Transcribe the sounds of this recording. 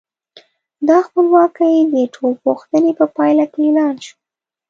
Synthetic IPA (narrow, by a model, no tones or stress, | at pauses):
d̪ɑxpəlwɑkəjd̪əʈʰolpoxt̪ənepəpɑjlakelɑnʃu̥